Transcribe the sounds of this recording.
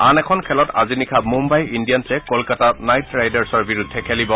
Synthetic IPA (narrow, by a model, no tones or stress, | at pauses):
anɛkʰɔnkʰɛlɔta̰zinikʰamumbajindijansɛkɔlkatanajtːɹajdaɹsɔɹbiɹudʱːɛkʰɛlibɔ